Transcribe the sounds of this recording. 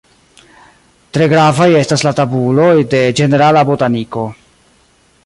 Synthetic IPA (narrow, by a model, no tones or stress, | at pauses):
tɾe̞ɡɾavaje̞staslatabulo̞jde̞d͡ʒe̞ne̞ɾalabotaniko̞